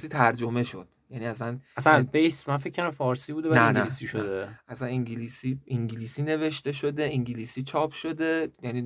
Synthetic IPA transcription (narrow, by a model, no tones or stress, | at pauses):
siːt̪ʰæɾd͡ʒome̞ʃo̞̰d̪̥jæniːæsænʔæsænæzbejsmænfekʰːæɾæmfɒːɾsiːbud̪eænæinælisiʃod̪eʔæsæniŋɟilisiiŋɟiliːsine̞ve̞ʃt̪e̞ʃod̪e̞iŋɟiliːsiːt͡ʃʰɒːpʰʃo̞d̪e̞jæniː